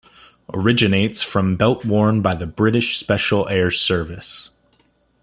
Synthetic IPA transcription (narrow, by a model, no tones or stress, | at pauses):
ʔə˞ɪd͡ʒɨneɪtsfɹʌ̃mbɛlˠʔ̚wɔɹnbaɪðɨbɹɪɾɨʃspɛʃl̩ˠɛɹsɜ˞vɨs